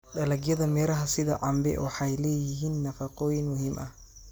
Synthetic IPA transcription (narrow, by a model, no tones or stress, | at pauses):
ɗɐlɐɡjɐðɐmɛːɾɐɦɐsɪðɐ̰ʕɑmbɛ̰wɑħɑjlɛːjɪɦiːnːɐfɐqɔːjɪnmʊɦiːmʔɐ